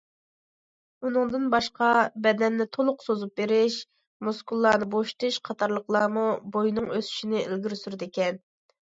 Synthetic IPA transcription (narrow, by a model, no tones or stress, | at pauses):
unɨŋd̪ɨnbɑʃqɑbɛd̪ɛnːɪt̪ʰolˠʊqsozup̚beɾɪʃ | muskulˠːɑːnɨboʃt̪ɨʃqʰɑt̪ʰɑɾlˠəqlˠɑːmubojnɨŋøsy̥ʃinɪelɡʲiɾsyɾd̪ɪkʲɛn